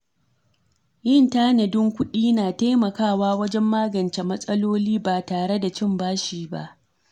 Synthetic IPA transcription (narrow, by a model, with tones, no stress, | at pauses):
jɪ˦˨ntaː˦nɐ˨dɪ˦ŋkʷʊ˦ɗiː˦naː˨ta˦jmɐ˨kaː˦˨waː˦wɐ˦d͡ʒɛ˦mːaː˦ɡɐ˨nt͡ʃe˨mɐ˦sʼɐ˦loː˦liː˦baː˨taː˨ɽe˦da˨t͡ʃɪ˦mbaː˦ʃiː˨ba̰˦ʔ